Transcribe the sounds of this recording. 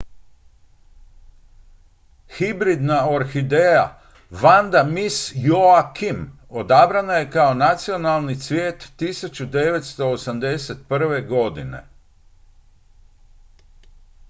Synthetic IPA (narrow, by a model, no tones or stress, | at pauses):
xibɾid̪nao̞ɾxid̪eja̰ | ʋand̪amisjoakim | o̞d̪abɾanaje̞kaonat̪sio̞nalˠnit̪sʋʲjeːt̪ːisut͡ɕud̪e̞ʋe̞t̪st̪o̞ːsamd̪e̞set̪̚pr̩ʋe̞ɡo̞d̪ine̞̰